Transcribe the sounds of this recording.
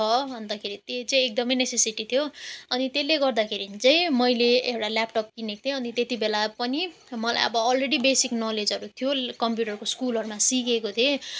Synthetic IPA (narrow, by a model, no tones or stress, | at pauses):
ʌbʱʌnd̪akʰeɾit̪et͡sʌj̃ek̚d̪ʌmʌjnesesiʈit̪ʰijoʌnit̪elːeɡʌrd̪akʰeɾit͡sʌĩmʌjleewʈalapʈʌp̚kinek̚t̪ʰeʌnit̪et̪ibelapʌni | mʌla̰jʌ̰bʌːlreɽibesiknɔled͡zʌɾut̪ʰijokʌmpjuʈʌɾkoskulɦʌɾumasikekot̪ʰe